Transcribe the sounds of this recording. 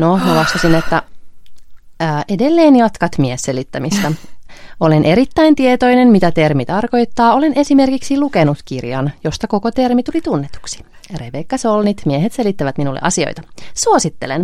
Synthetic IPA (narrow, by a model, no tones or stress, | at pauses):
nomolɑst̪ɑsinet̪ːæ | ʔedelːeːnjɑt̪kɑt̪miesselit̪ːæmist̪ɑ | olenʔe̞ɾit̪ːæint̪iet̪o̞jnenmit̪æt̪e̞rmit̪ɑrko̞it̪ːɑːo̞le̞nʔe̞sime̞rkiksilukenut̪kirjɑnjost̪ɑkokot̪e̞rmit̪ulit̪unːet̪u̥ksi̥ | repekːɑsolnit̪mieɦet̪se̞lit̪ːæʋæt̪minulːḛʔɑsio̰jt̪ɑsuosit̪ːelen